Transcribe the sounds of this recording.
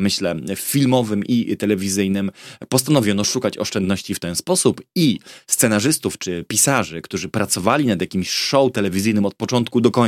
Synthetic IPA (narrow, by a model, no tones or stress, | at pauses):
mɘɕlɛfʲilmɔvɘmʔit̪ɛlɛvʲizɘjnɘmpɔst̪anɔvʲjɔnɔʂukat͡ɕɔ̰ʂt͡ʂɛnd̪nɔɕt͡ɕift̪ɛnspɔsupist̪sɛnaʐɘst̪uft͡ʂɘpʲisaʐɘkt̪uʐɘpɾat̪sɔvalʲinad̪jakʲimɕʂɔwt̪ɛlɛvʲizɘjnɘmɔt̪̚pɔt͡ʂɔnt̪kud̪ɔkɔ